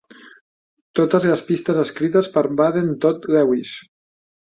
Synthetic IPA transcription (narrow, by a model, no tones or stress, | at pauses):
t̪ot̪əzləspist̪əzəskɾit̪əspəɾβaðent̪ot̪lɛwis